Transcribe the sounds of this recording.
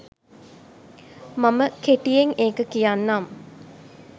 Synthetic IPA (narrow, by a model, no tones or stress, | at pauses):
maməkeʈijeŋeːkəkijanːam